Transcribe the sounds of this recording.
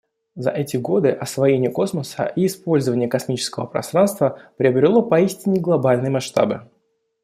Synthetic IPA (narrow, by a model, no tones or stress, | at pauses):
zɐ̰ʔɛtʲɪɡo̞d̪ɨʔɐsvɐjenʲɪjəko̞sməsə̰ʔiːspo̞lʲzəvənʲɪjəkɐsmʲit͡ɕɪ̥skəvəpɾɐ̰st̪ɾanst̪vəpɾʲɪɐbɾʲɪlˠo̞pɐisʲtʲɪnʲɪɡlˠɐbalʲnɨjəmɐʂt̪a̰bɨ